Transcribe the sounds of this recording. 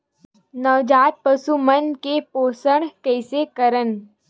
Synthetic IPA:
nɐʋd͡ʒaːt̪̚pɐsumənkepoːsəɽkɛːɪsekɐɾən

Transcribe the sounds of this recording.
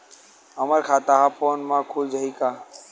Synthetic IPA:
ɦəməɾkʰaːt̪aɦapʰoːnmãkʰuld͡ʒəɦikaː

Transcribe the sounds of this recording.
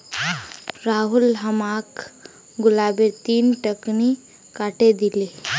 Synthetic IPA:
ɾaɦulɦəmak | ɡulabet̪iːnʈəkni | kaʈed̪ile

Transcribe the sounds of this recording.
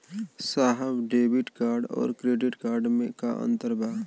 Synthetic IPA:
saːɦəbɖeːbɪʈkaːɾɖɔ̰ːɾkɾeːɖɪʈkaːɾɖmẽkaʔə̰̃nt̪əɾbʱaː

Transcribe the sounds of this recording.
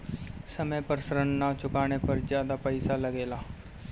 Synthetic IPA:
səməpəɾsɾənːat͡ʃʊkaːɽ̃epɐɾzjaːd̪apəɪsalɐɡeːlaː

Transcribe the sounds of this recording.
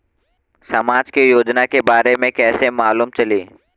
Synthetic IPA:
sɐmaːd͡ʒkejoːd͡ʒnakebaːɾemẽkɛːsemaːluːmt͡ʃɐliː

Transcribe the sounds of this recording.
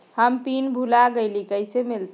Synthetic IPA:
həmpinbʱulaɡəɪlikəɪsemilt̪

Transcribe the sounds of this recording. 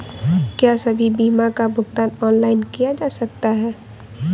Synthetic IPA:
kjaːsɐbʱibiːmakabʱʊɡt̪aːnɔːnlaːɪnkijad͡ʒaːsɐk̚t̪aɦɛː

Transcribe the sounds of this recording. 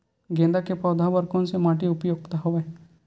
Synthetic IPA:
ɡẽːnd̪akepɔːd̪ʱabəɾkõnsemaːʈiʊpjoːɡ̚t̪aɦoʋe

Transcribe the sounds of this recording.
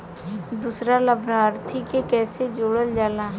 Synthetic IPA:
d̪uːsɾaləbʱɾaɾt̪ʰikekɛːsed͡ʒoːɽəld͡ʒaːlaː

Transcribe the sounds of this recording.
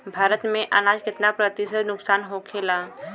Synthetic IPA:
bʱaːɾət̪mẽʔɐnaːd͡ʒkɪt̪napɾət̪ɪsət̪nʊksaːnɦokʰeːlaː

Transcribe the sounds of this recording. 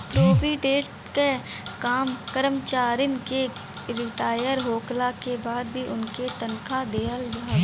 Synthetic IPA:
pɾoːpiʈeːʈ | ke | kaːmkəɾəmt͡ʃaːɾɪnke | ɾɪʈaːjəɾɦoːklakebaːd̪bʱiʔʊnket̪ənkʰad̪eːəlɡa

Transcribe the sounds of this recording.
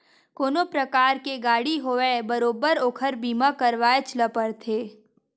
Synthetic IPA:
koːnopɾɐkaːɾkeɡaːɽiɦoʋebəɾoːbəɾoːkʰəɾbiːmakəɾʋaːet͡ʃləpəɽt̪ʰeː

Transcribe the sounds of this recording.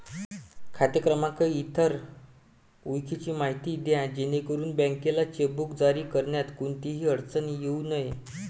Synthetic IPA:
kʰat̪jəkɾəmakəit̪ʰəɾ | ujkʰit͡ɕiːmaɦit̪iːd̪jãd͡ʑenekəɾuːnbə̃ŋkelat͡ɕebukd͡zaɾiːkəɾɳjat̪kuɳt̪iɦiːəɽt͡sənjeunəj

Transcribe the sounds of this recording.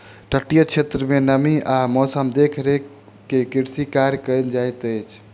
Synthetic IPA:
ʈəʈːijət͡ʃʰet̪ɾəmenəmiamɔsəmd̪ekʰɾe | kekiɾsikaɾjkənd͡ʒajt̪əjt͡ʃʰ

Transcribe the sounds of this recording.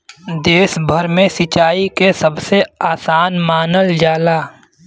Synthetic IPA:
d̪eːsbʱəɾmẽsɪt͡ʃaːikesəbseaːsaːnmaːnəld͡ʒjaːlaː

